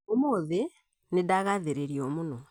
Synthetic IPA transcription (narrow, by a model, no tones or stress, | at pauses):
omoðe | nedaɣaðeɾeɾjomuno